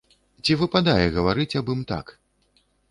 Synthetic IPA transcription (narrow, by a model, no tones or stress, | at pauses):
t͡sʲivɨpad̪ajɛɣɐvaɾɨt͡sʲabɨmt̪a̰k